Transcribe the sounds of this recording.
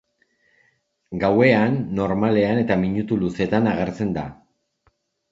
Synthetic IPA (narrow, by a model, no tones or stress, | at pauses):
ɡawe̞anːo̞ɾmale̞ane̞t̪amiɲut̪uluse̞t̪anaɣe̞ɾt͡se̞nd̪a̰